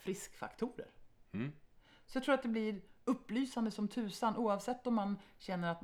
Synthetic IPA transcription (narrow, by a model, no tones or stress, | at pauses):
fɾɪskfa̰kt̪ʰuːɾə̰ɾ | sɔjat̪ɾːɾat̪d̪ɛblɪɾɵpːlyːsand̪əsɔmt̪ʰʉ̟ːsanʔuːavsɛt̪ːɔmːanɕɛnːəɾat̪̚